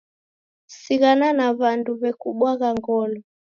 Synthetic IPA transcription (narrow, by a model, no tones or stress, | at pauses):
siɣananaβanduβɛkuɓwaɣaŋɡɔlɔ